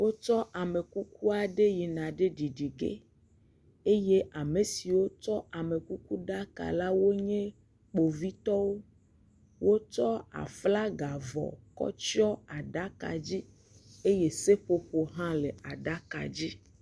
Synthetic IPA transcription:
wo˦t͡ʃɔ˦ʔa˨me˨ku˦ku˦a˨ɖe˦ji˨nã˨ɖe˦ɖi˨ɖi˨ɡḛ˦ | e˦je˦ʔa˨me˨si˨wo˦t͡ʃɔ˦a˨me˨ku˦ku˦ɖa˦ka̰˨la˦wo˦ɲẽ˦ | k͡po˨vi˦t̪ɔ˦wo˦ | wo˦t͡ʃɔ˦a̰˨fla˦ɡa˨vɔ̰˨kɔ̰˦t͡ʃi˦ɔ˦a˨ɖa˦ka̰˨d͡ʑi˦ | e˦je˦se˦ɸo˨ɸo˨ɦã˦le˨a˨ɖa˦ka̰˨d͡ʑi˦

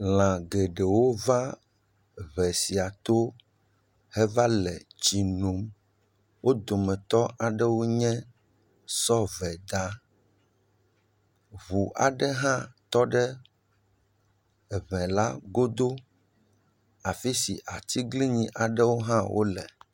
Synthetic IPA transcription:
l̃ã˨ɡɛ˨ɖɛ˨wo˦va˦ | βɛ˨si˨a˨t̪o˦ | hɛ˦va˦lɛ˨t͡ɕi˨nõ˨m | wo˦d̪o˨mɛ̃˨t̪ɔ˦ʔa˨ɖɛ˦wo˦ɲɛ̃˦ | sɔ˦vɛ˨d̪a˦ | βu˨ʔa˨ɖɛ˦ɦã˦t̪ɔ˦ɖɛ˦˨ | βɛ̃˨la˦ɡo˦d̪o˦ | a˨fi˦si˨ʔa˨t̪i˦ɡli˦ɲĩ˨ʔa˨ɖɛ˦wo˦ɦã˦wʔo̰˦lɛ˨

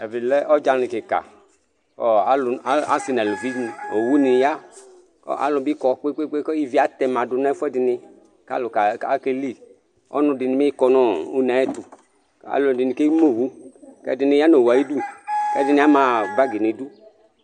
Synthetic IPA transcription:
ɛ˨vi˨lɛ˦ʔɔ˦d͡ʒa˧ni˨ke˨ka̰˨ | kɔ̰˦a˨˦lʊ˨˦a˦si˧nɛ˨lu˨vi˦˨o˨wu˦ni˨ja˦ | kɔ̰˦ʔa̰˨˦lʊ˨˧bi˦kɔ˧k͡pe˦k͡pe˦k͡pe˦kɔ˦i˦vi˦a˦t̪ɛ˧mã˨dʊ˧na˦fɛ˦dɪ˨nɪ˧ | ka̰˦lʊ˨ka˨ka˦ke˦li˦˨ | ɔ̰˦nʊ̃˧dɪ˨nɪ̃˨me˦i˦kɔ˧nɔ˦u˦nɛ˨˦ɛ˦t̪u˨ | a̰˨lo˨dɪ˨ni˨ke˦i˦mo˦˨wu˦kɛ̰˦˨dɪ˧nɪ̃˨˧ja˦no˨wa˨ji˦du˦kɛ̰˦dɪ˨nɪ˨˦a˦mã˨ba˦ɡi˨ni˨du˦

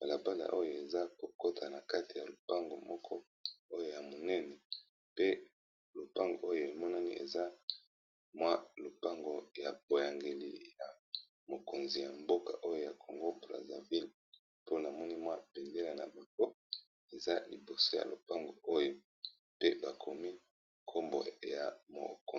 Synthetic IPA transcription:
ba˨la˨ba˦la̰˨ʔo˦jo˨e˨za˦ko˨ko˦tʰa˨na˨ka˦ti˨ja˨lo˨pa˦ŋɡo˨mɔ˦kʰɔ˦ | o˦jo˦ja˨mo˨nɛ˦nɛ˨ | pe˦ | lo˨pa˦ŋɡo̰˨o˦jo˨e˨mɔ˦na˦ni˦ʔḛ˨za˦ | mwa˦lo˨pa˦ŋɡo˨ja̰˨b̥o˨ja˨ŋɡe˨lḭ˨ja˨ | mo˨ko˨nzi˨ja˨mbo˦ka˨ʔo˦jo˦ja˨kʰo˨ŋɡo˦bʁa̰˨za̰˨vi˦l | po˦na˨mɔ˦ni˦mwa˦pɛ˨nde˦la˨na̰˨ba˨ko˦ | e˨za˦li˨bo˨so˦ja̰˨lo˨pa˦ŋɡo˨o˦jo˦ | pe˦ba˨kʰo˨mi˦ | kʰo˦mbo̰˨ja̰˨mo̰˨ko˨

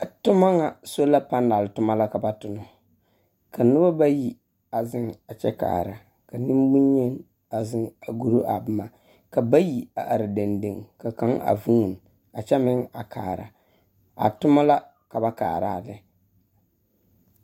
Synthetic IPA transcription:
tʊ˦ma˦ŋa˨so˦la˦pa˦nda˨lɨ˨tʊ˦ma˦la˦ka˨ba˦tʊ˨nʊ˨ | ka˨nɨ˦ba˦ba˦ji˦ | a˨zɪ˦ŋa˨t͡ʃɛ˦ka̰ː˨ɾa˨ | ka˨nɨ˦m˦bʊ˦ɲɲɛ˦n | a˨zɪ˦ŋa˨ɡu˦ɾo˦ʔa˨bɨ˦ma˨ | ka˨ba˦ji˨a̰˨ʔa˨ɾɨ˨de˨ndɨ˨ŋka˨ka˦ŋa̰˨vu˦ŋ˨n˨ | a˨t͡ʃɛ˦mɪ˦ŋa˨ka̰ː˨ɾa̰˨ | a̰˨tʊ˦ma˦la˦ | ka˨ba˦ka̰ː˨ɾa̰ː˦˨lɪ˦

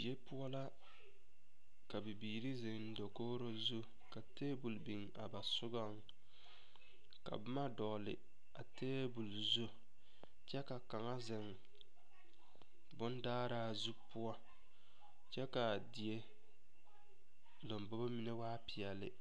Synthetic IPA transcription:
bi˨je˦pʊ˦a˦la˦ | ka˨bi˨biː˨ɾi˦zɪ˨ŋn̩˦do˨koː˦ɾo˦zu˦ | ka˨teː˦bu˨lbi˨ŋ | a˨ba˨sʊ˦ɡa˦ŋ | ka̰˨bɪ˦ma˦dɔ˨lɪ̰˨ | a˨teː˦bu˨lzo˦ | t͡ʃɛ˦ka˨ka˨ŋa˦zɪ˨ŋ | bʊ˦ndaː˦ɾaː˦zu˦pʊ˦ɔ˦ | t͡ʃɛ˦ka˨di˨e˦ | lo˨mbɔ˦bo˦mi˦ne˦waː˦pi˨ɛ˨lɪ˦

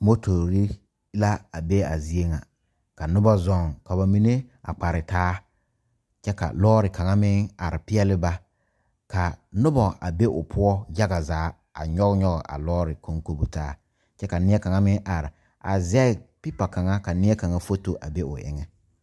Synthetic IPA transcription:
mo˦tʰo˨ɾi˦ | la˦a˨be˦a˨zi˦e˦ŋa˨ | ka˨nʊ˦ba˦zɔ˦˨ŋka˨ba˨mi˦ne˦a̰˨k͡pa˨ɾɪ˨taː˦ | t͡ʃɛ˦ka̰˨lɔː˦ɾɪ˨ka˨ŋa˦mɪ˦ŋa˨ɾɪ˨pɪ˦ɛ˦lɪ˦ba˦ | ka˨nʊ˦bɔ˨ʔa̰˨be˦ʔʊ̰˨pʰʊ˦ɔ˦ja˦ɣa˨zaː˨˦ | a̰˨ɲɔ˦ɣɲɔ˦ɣɔ˨ʔa̰˨lɔː˦ɾɪ˨ko˦ŋko˦bu˦taː˦ | t͡ʃɛ˦ka˨nɪ˦ɛ˦ka˨ŋa˦mɪ˦ŋʔa˨ɾɪ˨ | a̰˨zɛ˦ɪ˨pɪ˦pa˨ka˨ŋa˦ka˨nɪ˦ɛ˦ka˨ŋa˦fo˦to˨ʔa̰˨be˦ʊ˨ʔɪ̰˨˦ŋɛ˦

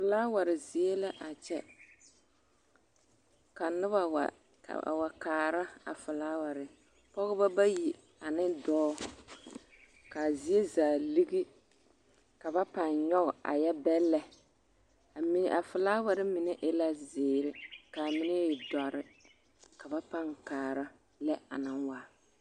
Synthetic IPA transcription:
fʊ˨laː˦wa˨ɾɪ˨zɪ˨e˦la˦ʔa˨t͡ʃɛ˦ | ka˨nɪ˦ba˨wa̰˨ | wa˨kaː˨ɾa˦a̰˨fʊ˨laː˦wa˨ɾɪ˨ | pɔ˦ɣʊ˦ba˦ba˦ji˨ | a˨nɪ˦dɔː˦ | ka˨zi˦e˦zaː˨li˦ɡi˦ | ka˨ba˦pa˨nɲɔ˦ɣɔ˨ʔa̰˨jɛ˦bɛ˦lːɛ˨ | a˨mi˨n̰˨ʔa˨fɪ˨laː˦wa˨ɾɪ˦mɪ˨nɛ˦ʔɪ˦la˦zɪː˨ɾɪ˦ka˨mɪ˦nɛ˦jɪ˨da˨ɾɪ˦ | ka˨ba˦pa˦ŋkaː˨ɾa˦ | lɛ˦a˨nɪ˦nwa˨

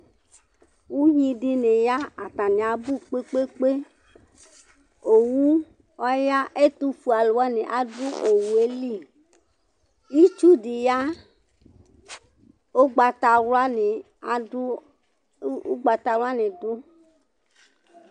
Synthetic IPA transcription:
wu˦ɲĩ˦di˦ne˨ja˦a˨t̪a˨nẽ˨a˨bu˦k͡pe˦k͡pe˦k͡pe˦ | o˨wu˦ | ɔ˦ja˦ʔe˦t̪u˦fu˨a˨lo˨a˦ne˨ʔa˨du˦o˨wu˨e˦li˦˨ | ji˦t͡ʃu˦di˨ja˦ | o˦ɡ͡ba˨t̪a˨wla˦ne˨˦ | ṵ˦ɡ͡ba˨t̪a˨wla˦nẽ˨do˦

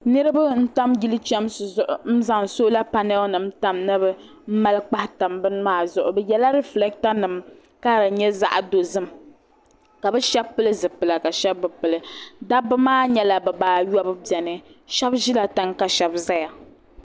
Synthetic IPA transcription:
nɨ˦ɾɨ˦bɨ˦n̩˦ta˦mɡi˦lɨ˦t͡ʃɛ˦mszʊ˨ʔʊ˨m̩˦za˨ŋ˨so˦la˦pa˦nɛ˦nɨ˨m˦ta˨mnɨ˦bɨ˦ | m̩˦ma˦lɨ˦k͡pa˦hta˨mbɨ˦n˦maː˦˨zʊ˨ʔʊ˨bɨ˦jɛ˦la˦ɾɛ˦flɛ˦k̚ta˦nɨ˨m | ka˦˨ɾɲɛ˦za̰˦ʔdo˨zɨ˦m | ka˨bɨ˦ʃɛ˦bpːɨ˦lɨ˦zɨ˨pɨ˨la˨ka˨ʃɛ˦bːɨ˨pɨ˨lɨ˨da˦bɨ˦maː˦ɲɛ˦la˨bɨ˨baː˨jɔ˦bɨ˦bɛ˨nɨ˦ʃɛ˦bʒi˦la˨ta˦ŋka˨ʃɛ˨bza˦ja˨

